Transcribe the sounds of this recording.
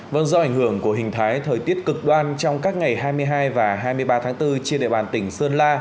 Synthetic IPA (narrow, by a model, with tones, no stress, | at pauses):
və̰˨˧˩nzɔ˧ʔa˧˩jŋ̟hɨ˧˩əŋku˧˩əɦï˨˩ŋ̟t̪ʰaː˨˦jt̪ʰəː˨˩jt̪i˦˥ət̚kɨ˨˩k̚ɗwaː˧nt͡ɕɔ˧wŋ͡mkaː˦˥k̚ŋa˨˩jɦaː˧jmɨ˧əjɦaː˧jvaː˨˩ɦaː˧jmɨ˧əjɓaː˧t̪ʰaː˨˦ŋt̪ɨ˧t͡ɕi˧ənɗḛ˧˨ɓaː˧˩nt̪ï˧˩ŋ̟sə˧ənlaː˧